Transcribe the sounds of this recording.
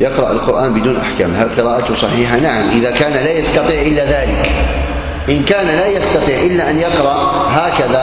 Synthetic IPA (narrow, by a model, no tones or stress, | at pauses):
jɑqɾˤɑʔa̰lqʊɾˤʔaːnbɪd̪uːnʔaħka̰ːmɦalqɨɾaːʔat̪ʊsˤɑħiːħanaʕamʔɪðakaːnalaːjɑst̪ɑt̪ˤiːʕʔɪlːaðaːlɪk | ʔɪnkaːnlaːjɑst̪ɑt̪ˤiːʕʔɪlːaʔanjɑqɾˤɑʔ | ɦaːkaða